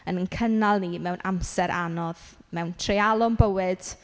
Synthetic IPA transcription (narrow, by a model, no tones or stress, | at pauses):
ənənkʰənalˠnimɛwnʔa̰msɛɾʔanɔðmɛwntʰrealˠʊmbəwɨd̥